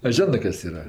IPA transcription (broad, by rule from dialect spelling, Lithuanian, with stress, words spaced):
ɐ ˈʒʲoːnɜ ˈkɐs ˈiːrɐ